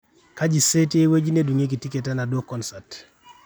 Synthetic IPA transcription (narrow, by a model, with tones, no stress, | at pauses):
kad͡ʒi˨se˦ti˦ewe˦d͡ʒi˦ne˦duŋe˦k̬i˨ti˦ketana˨do˦kɔnsat